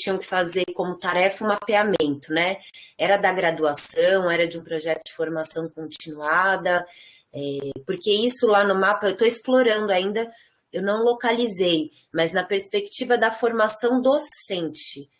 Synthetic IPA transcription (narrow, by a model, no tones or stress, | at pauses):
t͡ʃĩɲɐ̃w̃kɪ̥fazekõmʊt̪aɾɛfɐʊmapeamẽnt̪ʊnɛɛɾɐd̪ɐɡɾad̪uasɐ̃w̃ɛɾɐd͡ʒɪũpɾoʒɛt̪ʊd͡ʒɪfoɾmasɐ̃w̃kõnt͡ʃinuad̪ɐ | ɛpoɾkeisʊlanʊmapɐewt̪oɪsploɾɐ̃nd̪ʊaĩnd̪ɐ | ewnɐ̃w̃lokalizej | mɐznɐpeɾspekt͡ʃivɐd̪ɐfoɾmasɐ̃w̃d̪osẽnt͡ʃɪ